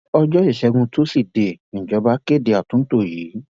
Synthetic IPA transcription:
ɔ˧d͡ʒɔ˦i˦˨ʃɛ˨˧ɡũ˧to˦si˦˨de˨d͡ʒɔ˨˧˦ba˦ke˦˨de˨˧a˨tũ˨˦n̩˦to˦˨ji˨˦

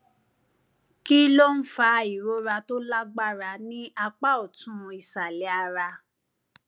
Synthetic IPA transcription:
ki˦lo˦n̩˦fa˧i˨ɾo˨˦ɾa˧to˦la˦ɡ͡ba˦˨ɾa˧nĩ˦ʔa˧k͡pa˦ɔ˨tũ˦ũ˧i˨sa˨lɛ˨˦a˧ɾa˧

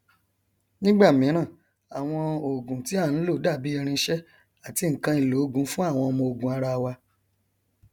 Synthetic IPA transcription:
nĩ˦ɡ͡ba˦˨mĩ˨˦ɾ̃ã˦˨ | a˨w̃ɔ̃˧o˨ɡũ˨ti˨˦a˦˨ñ̩˨˦lo˦˨˦da˦˨bi˨˦ɛ˧ɾ̃ĩ˧˦ʃɛ˦ | a˨ti˧˨ŋ̩˨kã˧˦i˧˨lo˨˦ɡũ˨˦fũ˦a˦˨w̃ɔ̃˧mõ˧o˨ɡũ˨a˨˦ɾa˧wa˧

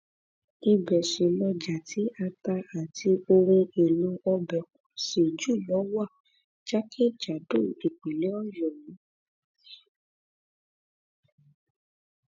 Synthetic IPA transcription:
i˧bɛ˨ʃe˨lɔ˧d͡ʒa˨tʰi˨˦a˧ta˧a˨tʰi˧o˧ɾ̃ũ˧e˨lo˨˧ɔ˧bɛ˨kũ˨ʃe˨d͡ʒu˦˨lɔ˨˦wa˦˨ | d͡ʒa˦kʰe˦d͡ʒa˨do˦˨e˨k͡pe˨le˨˦ɔ˦jɔ˨jĩ˨˦

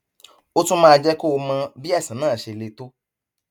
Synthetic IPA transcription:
o˦tũ˦mãː˦˧d͡ʒɛ˦ko˦o˧mã˧bi˦ɛ˦˨sĩ˨˦nãː˦˨ʃe˧˨le˧to˦

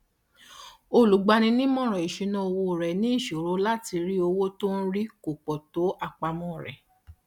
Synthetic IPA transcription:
o˧˨lu˨˦ɡ͡ba˧nĩ˧nĩ˦mɔ̃˦˨ɾ̃ɔ̃˨i˨ʃe˧nɔ̃˦o˧wo˧˨ɾɛ˨nĩ˨˦i˦˨ʃo˨ɾo˨˦la˦ti˧ɾi˦o˧wo˦to˦n̩˦ɾi˦ko˨k͡pɔ˨to˨˦a˧k͡pa˧mɔ̃˦˨ɾɛ̰˨

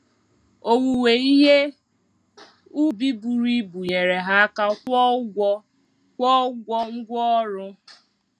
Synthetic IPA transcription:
o˨wu˨we˨i˦ɦe˦ | u˦bi˦bu˨ɾi˦bu˨ɲe˨ɾe˨ɦa˦ka˦kɔ˦ɡʷɔ˦ | kʷɔ˦ɡʷɔ˦ŋ̩˦ɡʷɔ˦ɔ˦ɾʊ˦

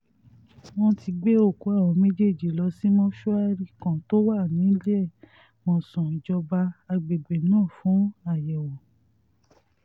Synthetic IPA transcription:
wɔ̃˧ti˧ɡ͡be˦o˦˨ku˨˦a˦˨ɾɔ̃˨˧me˦d͡ʒe˦˨d͡ʒi˨lɔ˧si˦mɔ̃˦ʃu˦a˦ɾi˦kã˨to˦wa˦˨nĩ˨˦lɛ˦˨ | mɔ̃˨sɔ̃˨d͡ʒɔ˧ba˧a˧ɡ͡be˨ɡ͡be˨nãː˦˨fũ˨˦a˦˨jɛ˨wɔ˨

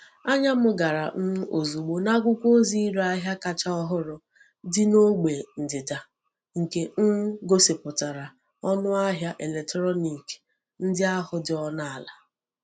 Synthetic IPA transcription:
a˦ɲa˦mʊ˦ɡa˨ɾa˨m̩˦o˨zu˨ɡ͡bo˨na˦ɡʷʊ˦kʷo˦zi˦ɾa˦ɦja˦ka˨t͡ʃa˦ɔ˦ɦʊ˦ɾʊ˨ | dɪ˦no˦ɡ͡be˨n̩˨dɪ˨da˨ | ŋ̩˨ke˨ŋ̩˦ɡo˦sɪ˨pʊ˨ta˨ɾa˨ | ɔ˦nʊ˦a˦ɦja˦ʔe˨le˨tɾɔ˦ni˨k | n̩˦dɪ˦a˦ɦʊ˦dɪ˦ɔ˦na˦a˨la˨

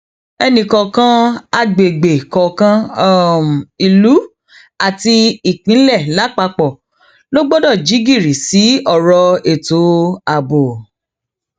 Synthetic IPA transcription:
ɛ˧nĩ˨kɔ˨kã˦a˧ɡ͡be˨ɡ͡be˨kɔ˨kã˧˦˨m˨i˨lu˨˦ | a˨ti˧i˨k͡pĩ˨˦lɛ˦˨la˨˦k͡pa˧k͡pɔ˨ | lo˦ɡ͡bɔ˦dɔ˦˨d͡ʒi˨˦ɡi˦˨ɾi˨si˨˦ɔ˦˨ɾɔ˧e˦˨to˨˦a˨bo˨

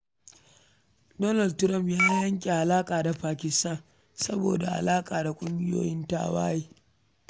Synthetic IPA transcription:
dɔ˦nɐ˦˨ldtʊ˦ɾɐ˦mpjaː˦jɐ˦ŋkʲʼe˨ʔa˨laː˦kʼaː˨da˨ɸaː˨kʲɪ˨sta˦˨n | sɐ˦bo̰ː˨da˨ʔa̰˨laː˦kʼaː˨da˨kʷʼʊ˦ŋɡʲɪ˦jo̰ː˨jɪ˦nta̰ː˦˨wa̰ː˦jeː˦

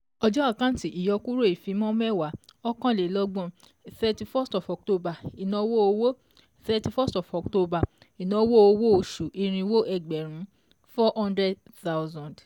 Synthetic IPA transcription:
ɔ˧d͡ʒɔ˦a˦˨kã˦ti˨ʔi˨jɔ˧ku˦ɾo˦i˨fĩ˨˧˦mɔ̃˦mɛ˦˨wa˨˦ɔ˦kã˦˨le˨lɔ˦ɡ͡bɔ̃˦˨ | θɛ˧ti˧fɔ˦stɔ˨fɔ˨k̚to˧ba˨i˨nɔ̃˧˦wo˦o˧wo˦ | θɛ˧ti˧fɔ˦stɔ˨fɔ˨k̚to˧ba˨ | i˨nɔ̃˧wo˦o˧wo˦o˧ʃu˨ʔi˧ɾ̃ĩ˧wo˦ʔɛ˨ɡ͡bɛ˨ɾ̃ũ˨˦ | fɔ˦hɔ̃˦ndɾɛ˦d | θa˦wzã˨d

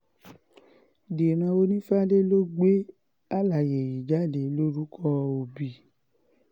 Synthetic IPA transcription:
de˨ɾ̃ã˧o˧nĩ˦fa˦le˦lo˦ɡ͡be˦ | a˦˨la˨je˨ji˨d͡ʒa˦˨le˨˦lo˦ɾu˦kʰɔ˧˦o˧˨bi˨

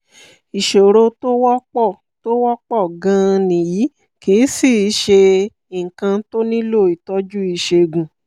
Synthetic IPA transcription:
i˨ʃo˨ɾo˧to˦wɔ˦k͡pɔ˦˨ | to˦wɔ˦k͡pɔ˦˨ɡã˧˦˧nĩ˨ji˨˦ | ke˨˦si˦˨i˧˦ʃe˧ | i˨ŋ̩˨kã˧to˦nĩ˦lo˦˨i˨tɔ˧˦d͡ʒu˦i˧ʃe˧ɡũ˨

